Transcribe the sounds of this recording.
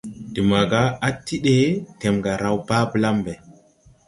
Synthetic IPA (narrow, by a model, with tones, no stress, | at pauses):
di˨ma˨ɡa˦a˦ti˦ɗe˦te˨mɡa˨ɾa˦wba˦bə˦la˦mbe˨